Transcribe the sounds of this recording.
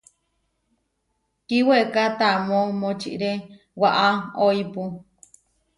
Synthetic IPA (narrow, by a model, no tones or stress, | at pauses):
kiwekat̪amõmõt͡ʃḭʔɾe | waʔaoipu